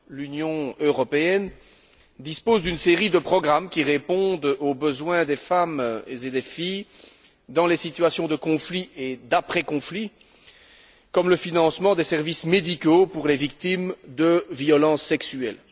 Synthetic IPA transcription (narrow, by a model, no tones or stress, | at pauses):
lynjɔ̃øʁɔpeɛn | d̪ispozd̪ynseʁid̪əpχɔɡʁamkʲiʁepɔ̃d̪obəzwɛ̃d̪efamezed̪efij | d̪ɑ̃lesit̪yasjɔ̃d̪əkɔ̃flied̪apχekɔ̃fli | kɔmləfinɑ̃smɑ̃d̪esɛʁvismed̪ikopuʁlevik̚t̪imd̪əviɔlɑ̃sːɛksyɛl